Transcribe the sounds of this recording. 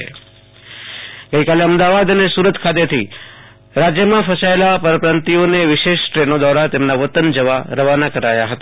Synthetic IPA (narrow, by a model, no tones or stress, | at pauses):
ḛ | ɡəikaleəmd̪aʋad̪ənesuɾət̪kʰat̪̬et̪ʰi | ɾad͡ʒjəmãfəsaelapəɾəpɾant̪ioneʋɪʃeʃʈɾenod̪ʋaɾat̪emnaʋət̪ənd͡ʒəʋaɾəʋanakəɾajaɦət̪a